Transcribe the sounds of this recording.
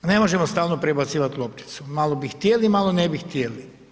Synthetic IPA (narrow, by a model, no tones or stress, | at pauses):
ne̞mo̞ʒemost̪aːlnopɾebat̪siːʋat̪lˠopt̪i̥t̪sumaːlobixt̪jelimalonebixt̪jeli